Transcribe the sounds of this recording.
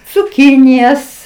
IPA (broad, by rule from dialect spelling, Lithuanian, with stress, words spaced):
t͡sʊˈkʲɪnʲɪjɛs